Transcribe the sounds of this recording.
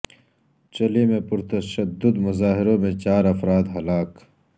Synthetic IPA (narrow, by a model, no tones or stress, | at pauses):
t͡ʃɐlimẽpʊɾt̪ɐʃɐd̪ʊd̪mʊzaːɦɪɾõmẽt͡ɕaːɾɐfɾaːd̪ɦɐlaːk